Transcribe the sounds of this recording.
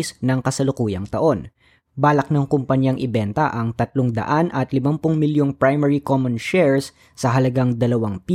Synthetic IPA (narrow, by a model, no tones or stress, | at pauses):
snɐŋkɐsɐlʊkuːjɐŋt̪ɐʔo̞n | baːlɐk̚nɐŋkʊmpɐɲjaŋʔɪbɛnt̪ɐʔɐŋt̪ɐt̪loŋd̪ɐ̰ʔanʔɐt̪lɪmampʊŋmɪljoŋpɹajmɛɹikomɐnʃɛɹsː | ɐɦɐlɐɡaŋd̪ɐlɐwaŋpi